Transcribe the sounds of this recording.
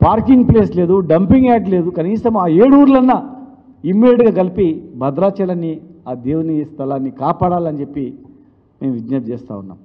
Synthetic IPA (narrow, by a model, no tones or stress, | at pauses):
paːɾkiŋɡ̚ple̞ːsle̞ːd̪uɖɐmpiŋɡaːʈle̞ːd̪ukɐniːsɐmaːeːɽuːɾlɐnːɐ | imːiɖeʈɡaːɡɐlipibɐd̪ɾaːt͡ʃɐlɐnːiaːd̪eːwunist̪ʰɐlaːnːikaːpaːɽaːlɐnt͡ʃe̞pːi | meːmʋid͡ʒ̪nɐt̪̚t͡ʃeːst̪a̰ːunːa̰ːm